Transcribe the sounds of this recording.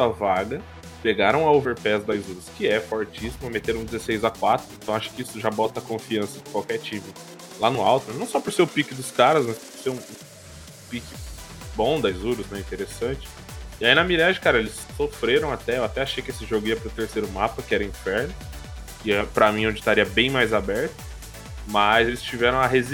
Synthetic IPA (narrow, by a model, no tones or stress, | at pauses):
ɐvaɡɐ | peɡaɾɐ̃w̃ɐoveɾpɛzd̪ajzuɾʊskɪɛfɔɾt͡ʃisimɐmet̪eɾũd͡ʒ̪ɪzesejzakwat̪ɾʊẽnt̪ɐ̃w̃aʃʊ̥kɪisʊʒabɔt̪ɐkõfiɐ̃sɐd͡ʒɪkwawkɛt͡ʃĩmɪ | lanʊawt̪ʊnɐ̃w̃sɔpoɾseɾʊpikɪd̪ʊskaɾɐsmɐspoɾseɾũũ | pikɪbõd̪ɐzuɾʊznɛĩt̪eɾesɐ̃t͡ʃɪ̥ | ɪainɐmiɾaʒɪkaɾɐelɪsːofɾeɾɐ̃w̃at̪ɛewat̪ɛaʃejkɪesɪʒoɡʊiɐpɾʊt̪eɾsejɾʊmapɐkɪɛɾɐĩfɛɾnʊ | kɪɛpɾɐmĩõd͡ʒɪt̪aɾiɐbẽj̃majzabɛɾt̪ʊ̥ | mɐzelɪst͡ʃivɛɾɐ̃w̃ɐɦez